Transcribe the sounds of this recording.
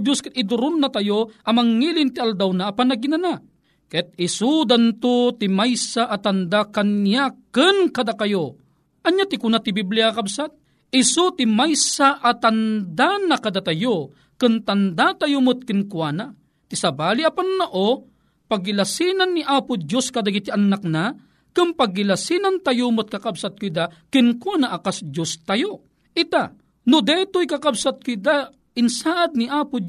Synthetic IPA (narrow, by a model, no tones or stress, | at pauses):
d͡ʒjoskɨt̪ɪd̪ʊɾʊnːat̪ajoʔɐmaŋːilɪnt̪iald̪awnaʔːpanɐɡinana | kɛt̪̚ɪsud̪ant̪ʊt̪imajsaʔat̪and̪akanjakɨnkad̪akajo | ʔɐɲːat̪ɪkʊnat̪ibibliakabsat̪̚ | ɪsut̪imajsaʔat̪and̪anakad̪at̪ajo | kɨnt̪ɐnd̪at̪ajʊmʊt̪̚kɪnkwana | t̪isɐbaːliʔapanːaʔo | paɡːilasinanːiʔaːpʊd͡ʒoskɐd̪aɡit̪iʔanak̚na | kɨmpaɡːilasinant̪ajʊmʊt̪̚kɐkabsat̪̚kʊid̪akɪnkwanaʔakasd͡ʒost̪ajo | ʔɪt̪a | nod̪ɛt̪ojkɐkabsat̪̚kʊid̪a | ɪnsaːʔad̪̚niʔaːpʊd͡ʒ